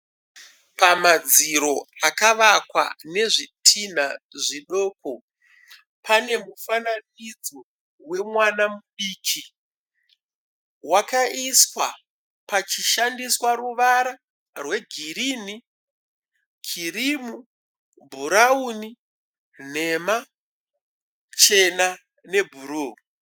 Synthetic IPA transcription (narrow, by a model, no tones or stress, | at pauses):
pamad͡ziɾo̞akaʋakwa̰ne̞ʐitʰin̤aʐiɗo̞ːko | pʰane̞mufananid͡zo | we̞mwanamuɗiːkʰi | wakaʔiswa | pat͡ʃiʃandiswaruʋaɾa | rwe̞ɡʱiriːni | kʰirimu | bʱuɾauni | n̤e̞ma | t͡ʃe̞na | ne̞bʱuɾoː